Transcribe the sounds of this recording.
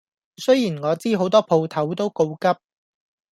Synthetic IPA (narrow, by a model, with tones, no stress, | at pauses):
sɵ˥jjiː˨˩nŋɔː˨˧t͡siː˥ɦo˨˥wt̪ɔː˥pʰo˨˧wt̪ʰɐ˨˥wt̪o˥wko˧˥wkɐ˥p̚